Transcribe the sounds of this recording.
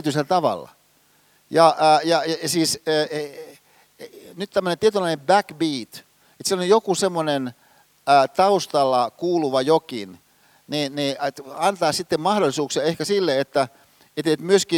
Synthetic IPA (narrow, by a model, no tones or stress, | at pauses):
t̪yselt̪ɑʋɑ̰lːɑ̰ | jɑʔːjɑjɑɑsiːsː | nyt̪t̪æmːønent̪iet̪ylːˑɑinembækbiːt̪ | et̪sielojjokusemːonen | æːt̪ɑust̪ɑlːɑkuːluʋɑjokin | ninnetɑnt̪ɑːsit̪ːemmɑhdolisuːksiɑehkæsilːeet̪ːæ | et̪et̪myøski